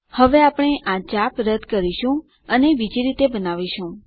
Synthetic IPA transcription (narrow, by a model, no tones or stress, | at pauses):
həʋeapɳ̃eʔãt͡ʃapɾəd̪ʱkəɾiʃũ | ənebid͡ʒiɾit̪ebənaʋiʃũ